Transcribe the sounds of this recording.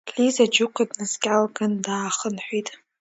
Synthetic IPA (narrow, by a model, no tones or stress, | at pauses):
lizad͡ʒʊqʷʰadnɨskʲʼalɡandaːχənħʷᶣitʼ